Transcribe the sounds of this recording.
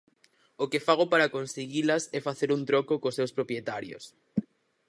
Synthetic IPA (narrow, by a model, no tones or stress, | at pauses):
okefaɣ̞opaɾakonseɣilɐsɛfaθeɾunt̪ɾɔkokosːewspɾopɾjet̪aɾjo̰s